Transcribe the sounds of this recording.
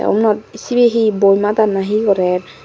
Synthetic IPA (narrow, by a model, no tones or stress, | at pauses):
ɔ̰mnɔt̪̚isibeɦibojmat̪anaɦikɔɾɛɹ